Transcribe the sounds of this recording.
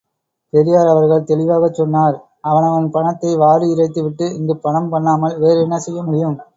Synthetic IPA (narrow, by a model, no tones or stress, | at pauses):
t̪ɛɾɪjaːɾɐʋɐɾɣɐɭt̪ɛlɪʋaːɣɐt͡ʃːɔnːaːɾ | ɐʋɐnɐʋɐnpɐɳɐt̪ːɐɪʋaːɾɯɪɾɐɪt̪̬ːɯʋɪʈːɯɪŋɡɯpɐɳɐmpɐɳːaːmɐlʋeːɾɛnːɐsɛjːɐmʊɽɪjɯm